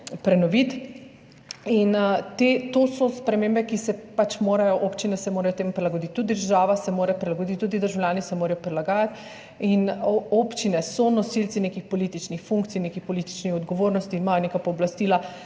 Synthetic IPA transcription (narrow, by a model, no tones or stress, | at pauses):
pɾɛnɔʋit̪ | int̪et̪oːsɔspɾɛmeːmbɛkisɛpat͡ʃmoːɾajɔʔopt͡ʃinɛsɛmoːɾajɔt̪eːmpɾɛlaɡod̪it̪ʲːud̪d̪əɾʒaːʋasɛmoːɾɛpɾilaɡod̪it̪ːuːd̪id̪əɾʒawlʲjaːnisɛmoːɾajɔpɾɛlaɡaːjat̪ | inoːpt͡ʃinɛsɔnɔsilt̪sinekixpɔliːt̪it͡ʃnixfuŋk̚t̪sijneːkixpɔlit̪i̥t͡ʃnixɔd̪ɡɔʋoːɾnɔst̪inimaːjɔneːkapɔːblast̪iːla